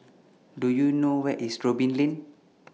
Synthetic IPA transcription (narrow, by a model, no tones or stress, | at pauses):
dujunowɛʔisɹobĩnlɛ̃n